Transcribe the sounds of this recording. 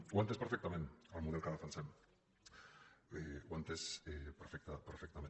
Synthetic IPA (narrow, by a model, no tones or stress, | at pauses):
ɡwant̪espeɾfek̚t̪amenalmuðelkaðafansem | eɡwant̪esepeɾfek̚t̪apeɾfek̚t̪amẽ